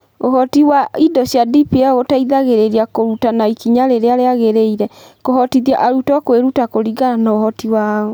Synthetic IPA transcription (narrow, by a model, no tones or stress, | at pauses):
oɦɔtiwaidɔɕjadipiɛɣotaiðaɣeɾeɾiakoɾutanaikiɲaɾeɾeaɾeaɣeɾeiɾɛkoɦɔtiðiaʔaɾutɔkweɾutakoɾiɡananaoɦɔtiwaːo